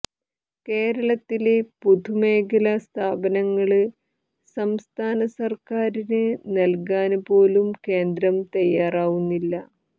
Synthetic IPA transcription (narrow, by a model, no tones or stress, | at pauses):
ke̞ːɾɐɭɐt̪ːilepud̪ʱume̞ːkɐlɐst̪ʰaːbɐnɐŋːɐɭɨ | sɐmst̪ʰaːnɐsɐrkaːɾinɨnɐlkaːnpo̞ːlumke̞ːnd̪ɾɐmt̪ɐjːaːraːʋunːilːɐ